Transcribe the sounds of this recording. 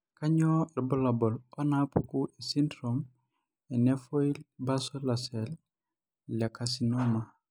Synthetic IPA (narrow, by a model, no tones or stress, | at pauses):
kaɲoɾibolabolonapukuʔisindɾom | enefoilbasolasel | lekas̬inoma